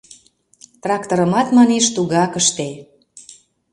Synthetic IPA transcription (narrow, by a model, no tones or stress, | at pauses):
t̪rɑkt̪oɾə̆mɑt̪mɑneʃt̪uɣɑkəʃt̪e